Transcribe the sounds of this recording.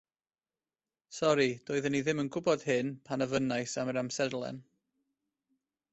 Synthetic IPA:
sɔɾid̥oːɨðəniðɪmənɡʊbɔd̥hɨnpʰanəvənajsaməɾamsɛdlˠɛ̰n

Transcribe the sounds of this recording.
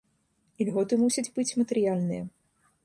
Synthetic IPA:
ilʲɣɔt̪ɨmusʲɐd͡zʲbɨt͡sʲmɐt̪ɛɾɨjalʲnɨjɐ

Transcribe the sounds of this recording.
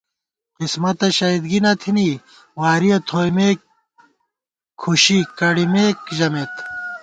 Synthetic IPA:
qismɐt̪ɐɕɐid̪ɡinɐt̪ʰini | waːɾiɐt̪ʰoːimeːk | kʰːuɕikɐɽimeːkʑɐmet̪

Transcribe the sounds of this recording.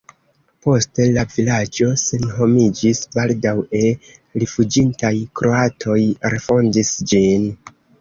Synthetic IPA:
po̞ste̞lavilad͡ʒo̞se̞nɦo̞mid͡ʒisbaldawe̞lifud͡ʒintajkɾo̞atʰo̞jɾefo̞ndisd͡ʒin

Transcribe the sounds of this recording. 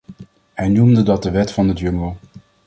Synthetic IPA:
hɛjnumdədɑt̚dəʋɛtfɑnədjɵŋəlˠ

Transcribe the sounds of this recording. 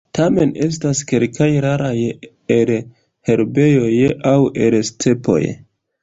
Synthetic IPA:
tʰame̞nʔe̞s̬taskelkʰajɾaɾaj | el | he̞ɾbe̞jojawelstʰe̞po̞̰j

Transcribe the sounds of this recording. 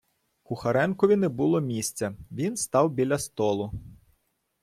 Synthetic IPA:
kʊxɐɾɛnkɔʋʲinɛbʊlˠɔmʲisʲt͡sʲɐʋʲinst̪ɑwbʲilʲɐst̪ɔlˠʊ

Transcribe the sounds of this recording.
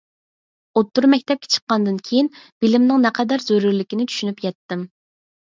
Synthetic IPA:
ot̪ːuɾmɛk̚ʲt̪ʰɛp̚kʲe̥t͡ʃʰə̥qːɑnd̪ɨnkʲʰejinb̥ɪlɪmnɨŋnɛqʰɛd̪æɾzøɾyɾlɪkʲinɪt͡ʃ̪ʰy̥ʃynypjɛt̪ːɪm

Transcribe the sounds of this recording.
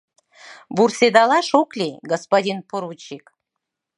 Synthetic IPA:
bursʲed̪ɑlɑʃoklʲiɡospodʲinpoɾut͡ɕik

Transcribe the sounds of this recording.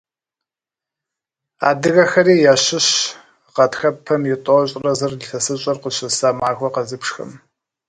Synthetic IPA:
a̰ːdɨɣɐxɐɾiːjaːɕɪɕ | qɐtxɐpʰːɐmjɪtʼoɕʼrɐzɨrlɬɐsɨɕʼɐrqəɕɐsaːmaːxʷɔqɐzɨpʂxɐ̰m

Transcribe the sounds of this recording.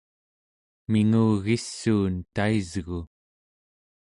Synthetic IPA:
miŋuːɣisːuːnt̪aizɣu

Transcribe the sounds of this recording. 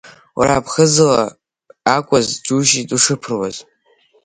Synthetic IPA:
wa̰ɾapʰχəzɨla̰ | akʷʼazd͡ʒuʒitʼuʂɨpʰɨrwaz

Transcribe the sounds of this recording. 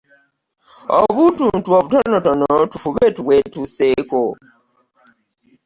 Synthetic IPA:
o̰βutuntuoβutɔnɔtonotufuβetuβwetuseko

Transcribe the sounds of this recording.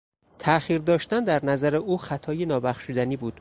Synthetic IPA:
t̪ʰæʔxiːɾd̪ɒːʃt̪ænd̪æɾnæzæɾeʔuːxæt̪ʰɒːjenɒːbæχʃud̪æniːbuːd̪̥

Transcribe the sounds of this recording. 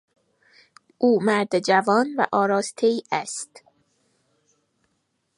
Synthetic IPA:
ʔuːmæɾd̪ed͡ʒævɒːnvæ̰ʔɒːɾɒːst̪ʰeiːʔæst̪

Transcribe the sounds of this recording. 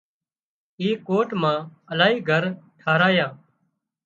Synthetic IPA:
iːkoːʈmãːəlaːɦiːɡʱəɾʈʰaːɾaːjaː

